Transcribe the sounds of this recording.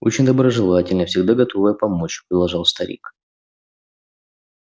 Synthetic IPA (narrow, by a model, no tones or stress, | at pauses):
o̰t͡ɕɪnʲd̪əbɾəʐɨlˠatʲɪlʲnəfsʲɪɡd̪aɡɐt̪o̞vəjəpɐmo̞t͡ɕpɾʲɪd̪lˠɐʐɑlˠst̪ɐɾʲḭk